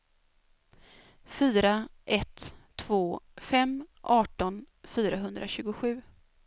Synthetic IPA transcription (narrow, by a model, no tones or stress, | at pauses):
fyːɾaʔɛt̪ʰː | voːfɛmʔɑːʈɔn | fyːɾaɦɵnd̪ɾʔaɕʉ̟ːɡʊɧʉ̟ː